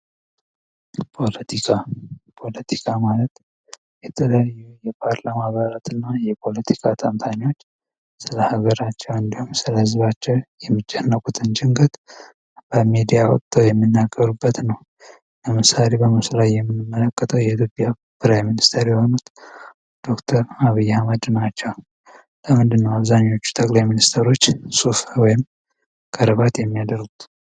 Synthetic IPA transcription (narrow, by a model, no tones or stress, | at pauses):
pʰo̞lət̪ʰikʰapʰo̞lət̪ʰikʰamalət̪ | jɛt̪ʰələjajːujɛpʰaɾlamaβaɾat̪ʰɨnːajɛpʰo̞lət̪ʰi̥kʰat̪ʰamt̪ʰaniwo̞t͡ʃː | sɨləhaɡəɾat͡ʃːɛwɨnd̪ihumsɨləhɨzβat͡ʃːɛwjɛmːɨd͡ʒɛnːəkʼut̪ʰɨnt͡ʃɪŋɡət̪ | b̥əmid̪ijawɔ̰tt̪ʰʼːəwjɛmːinːaɡːəɾubːət̪nəw | ləmɨsale̞bəmɨslajːɛmːɨnːɨmːələkʼːət̪ʰəwjɛit̪ʰjopʼja | pʰɨɾajminist̪ʰəɾjɛho̞nut̪ | d̪̥o̞kt̪ʰəɾaβijːahaməd̪nat͡ʃːɛw | ləmɨnd̪ɨnːəwaβzaɲːo̞t͡ʃːu̥t̪ʰəkʼlajminist̪ʰəɾo̞t͡ʃːsufwɔjɪm | kʰəɾɨβat̪jɛmːijad̪əɾɡut̪